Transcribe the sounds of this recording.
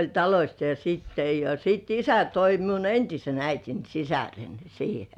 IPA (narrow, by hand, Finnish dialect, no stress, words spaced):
olʲ tɑlosʲt jo siːtːe jɑ jɑ siˑt isæ toi toi miun entisen æitin sisæren̞ siːhe